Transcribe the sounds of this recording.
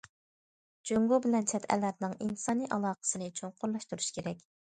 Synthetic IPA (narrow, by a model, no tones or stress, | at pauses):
d͡ʒøŋɡubɪlɛnt͡ʃʰɛt̪ʰɛ̰læɾnɪŋinsɑːniʔɑlˠɑːqə̥sɨnɨt͡ʃʰoɴqʊɾlˠɑʃt̪uɾuʃkʲʰeɾɛkʲ